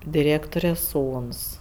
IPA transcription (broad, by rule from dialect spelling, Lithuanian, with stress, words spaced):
dʲɪˈrʲeːktoːrʲɛ ˈsuːns